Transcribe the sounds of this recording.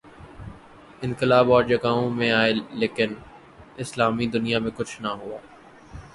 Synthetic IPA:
ɪ̃nkɪlaːbɔːɾd͡ʒɐɡaːõmẽaːeleːkɪn | ɪslaːmid̪ʊnijamẽkʊt͡ʃʰnɐɦʊaː

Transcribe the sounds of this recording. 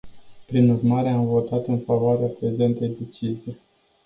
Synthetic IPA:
pɾinurmaɾe̞amvo̞t̪at̪ɨnfavoaɾeapɾe̞ze̞nt̪ejd̪e̞t͡ʃizij

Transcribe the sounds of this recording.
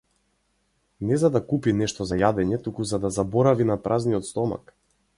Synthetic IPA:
nɛzad̪akupinɛʃt̪ɔzajad̪ɛɲɛt̪ukuzad̪azabɔɾavinapɾʔazniɔt̪st̪ɔma̰k

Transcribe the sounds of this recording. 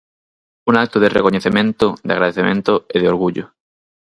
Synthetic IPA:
unak̚t̪oðerʔḛkoɲeθemẽnt̪od̪ea̰ɣɾaðeθemẽnt̪oeðeoɾɣuʎo

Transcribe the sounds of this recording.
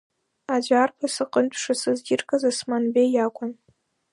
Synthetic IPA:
ad͡ʒʷarpʰasɨqʼəntʷʼʰʂasɨzɡʲirkʼazasmanbejakʷʼan

